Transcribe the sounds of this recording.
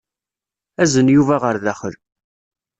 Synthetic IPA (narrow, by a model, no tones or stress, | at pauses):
æzənjuvæʁəɾðæχəl